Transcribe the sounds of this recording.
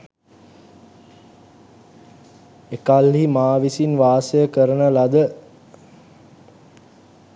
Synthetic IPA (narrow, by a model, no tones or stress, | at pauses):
ekalɦimaːʋisinʋaːsəjəkəɾənəlad̪ə